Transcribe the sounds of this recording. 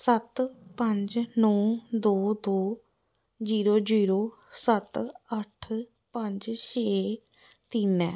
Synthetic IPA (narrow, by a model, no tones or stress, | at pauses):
sət̪pə̃ɲd͡ʒnɔ̃ːd̪oːd̪oː | d͡ʒiːɾoːd͡ʒiːɾoː | sət̪əʈʰ | pə̃ɲd͡ʒʃeː | t̪iːnɛː